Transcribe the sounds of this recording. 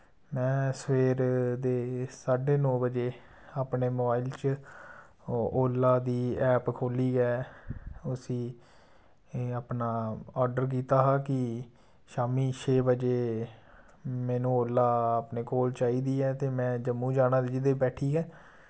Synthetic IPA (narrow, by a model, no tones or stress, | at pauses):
mɛ̃ːsəʋeːɾd̪eːsaːɖeːnɔːbəd͡ʒeː | aːpneːmoːbaːiːlt͡ʃ | oːlːaːd̪iːɛːpkʰoːliːɡɛː | ʊsĩː | aːpnaːɔːɾɖəɾk̬iːt̪aːɦaːkɪ | ʃaːmiːt͡ʃʰeːbəd͡ʒeː | meːnũːoːlːaːaːpneːkoːlt͡ʃaːiːd̪iːɛːt̪eːmɛ̃ːd͡ʒəmːũːd͡ʒaːnãːd̪eːd͡ʒɪd̪eːbɛːʈʰiːɡɛː